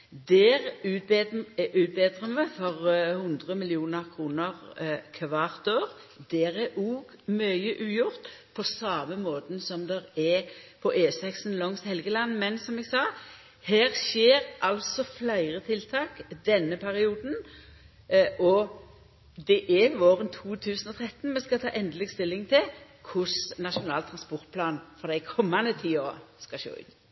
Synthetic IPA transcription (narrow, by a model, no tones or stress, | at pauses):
d̪ɛːʁ | ʔʉːt̪̚beːd̪ʁəməfɔʁhʊnd̪ʁəmɪlɪuːnəʁkʰʁuːnəʁkʰʋɑːʁt̪oːʁd̪ɛːʁɛʔuːɡ | mœʏəʔʉːjʊʁt̪pʰɔsɑːməmoːt̪n̩sɔmd̪ɛʁɛpʰɔʔeːsɛksn̩lɔŋst̪hɛlɡəlɑnːmɛnsɔmɛɡsɑː | hæːɾʃeːɾʔɑlsɔflæɪʁət̪ʰɪlt̪ʰɑːkd̪ɛnːəpʰæɾɪuːd̪n̩ | ʔɔ | d̪ɛʔɛʋoːʁənt̪ʰuːt̪ʰʉːsən̩ɔt̪ʰɾɛt̪ːn̩mɛskɑt̪ʰɑ̰ːʔɛnd̪əlɪɡst̪ɪlːɪŋt̪ʰɪl | kʰʊsnɑʂʊnɑːlt̪ʰɾɑnspɔʁt̪̚pʰlɑːnfɔʁd̪æɪkʰɔmːɑnd̪ət̪ʰiːɔskɑʃø̰ːʉ̰